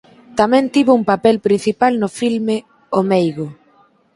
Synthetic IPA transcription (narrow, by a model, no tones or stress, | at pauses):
t̪amɛ̃nt̪iβʊumpapɛlpɾinθipalnʊfilmɪ | omejɣʊ